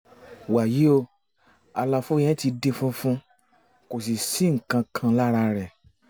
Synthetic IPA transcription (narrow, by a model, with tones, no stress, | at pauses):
wa˨ji˨˦o˧ | a˨˧la˧fo˦j̃ɛ̃˦ti˧de˦fũ˦fũ˦ | ko˨s̬i˨si˨˦ŋ̩˨kã˧kʰã˧la˦ɾa˧ɾɛ˨